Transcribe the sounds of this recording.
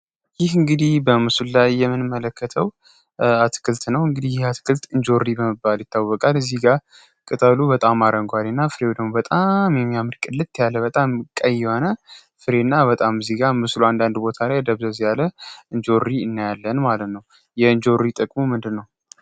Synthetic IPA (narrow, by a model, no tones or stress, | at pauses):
jɪhɨŋɡɨd̪ihbəmɨsullajːɛmːɨnɨmːələkʰːət̪ʰəw | at̪ʰkʰɨlt̪ʼnəwɨŋɡɨd̪ihjɪhat̪kʰɨlt̪ʼɨɲd͡ʒo̞rːibəmɨbːaljɪt̪ʰːawəkʼalɨzːiɡa | kʼɨt̪ʼəlubət̪ʼamːaɾəŋɡwalɨnːafɨɾewod̪əmobət̪ʼamjɛmːijamɨɾkʼɨlːɨt̪ʰːjalːəbət̪ʼamkʼəjːɛhonə | fɨɾe̞nːabət̪ʼamɨziɡamɨsluand̪and̪bo̞t̪ʰalajd̪əβzəzjaləɨɲd͡ʒo̞rːiɨnːajalːənmalət̪nəw | jɛɨɲd͡ʒo̞rːit̪ʼəkʼmumɨnd̪ɨlnːəw